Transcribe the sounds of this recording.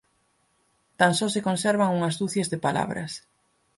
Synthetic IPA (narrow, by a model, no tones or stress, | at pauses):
t̪ansɔsekonsɛɾβaŋuŋɐzðuθezðepala̰βɾɐ̰s